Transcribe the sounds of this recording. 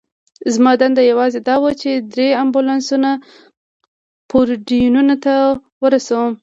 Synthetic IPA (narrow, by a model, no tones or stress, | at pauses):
zmɑd̪and̪ajawɑzed̪ɑwət͡ʃed̪ɾeambulɑnsuna | poɾɖijununat̪awəɾasawəm